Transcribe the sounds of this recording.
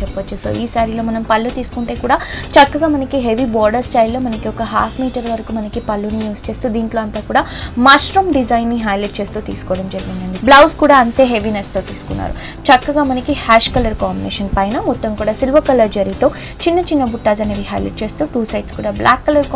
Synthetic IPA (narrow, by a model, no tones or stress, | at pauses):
t͡ʃɛpːɐt͡ʃːuso̰ːʔiːsaːɾilo̞ːmɐnɐmpɐlːut̪iːsu̥kuɳʈeːkuːɽaːt͡ʃɐkːɐɡaːmɐnɐkiɦeʋibɔːɾɖɐɾsʈɐjlːo̞ːmɐnɐkiɔkɐɦa̰ːpʰmiːʈɐɾʋɐɾɐkumɐnɐkipɐlːunijuːst͡ʃe̞ːst̪uːd̪iːɳʈlo̞ːɐnt̪aːkuːɽaːmaːsʈɾuːmɖid͡ʒɐjnːiɦɐjleʈ̚t͡ʃe̞ːst̪uːt̪ḭːsu̥kɔːɐɽɐmd͡ʒɐɾiɡind̪ɐɳɖiblɐwskuːɽaːɐnt̪e̞ːɦeʋinest̪o̞ːt̪iːsu̥kunːa̰ːɾṵ | t͡ʃɐkːɐɡaːmɐnɐkihaːʃkɐlɐɾkaːmbinḛːʃɐnpɐjnɐmɔt̪ːɐmkuːɽaːsilʋɐkɐlɐɾd͡ʒɐɾit̪o̞ː | t͡ʃinːɐt͡ʃinːɐbuʈːaːzɐneʋiɦɐ̰jlḛʈ̚t͡ʃe̞ːst̪uʈuːsɐjʈskuːɽaːblʔaːkːɐlɐɾk